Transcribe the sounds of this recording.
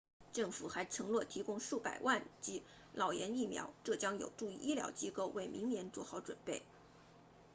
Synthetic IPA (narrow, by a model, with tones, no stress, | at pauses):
ʈ͡ʂɤ˥˩ŋfu˨˩xa˧˥ɪʈ͡ʂʰɤ˧˥ŋlwɔ˥˩t̪ʰi˧˥kʊ˥ŋʂu˥˩pa˨˩ɪwa˥˩nt͡ɕi˧˥ | lʔɑ˨˩ʊjɛ˧˥ni˥˩mjɑ̰˧˥ʊʈ͡ʂɤ˥˩t͡ɕjɑ˥ŋjo̰˨˩ʊʈ͡ʂu˥˧i˥˩ʔi˥ljɑ̰˧˥ʊt͡ɕi˥ko˥˧ʊwe˥˩ɪmi˧˥ŋnjɛ˧˥nt͡swɔ˥˧xɑ˥˩ʊʈ͡ʂwə̰˨˩npe˥˩ɪ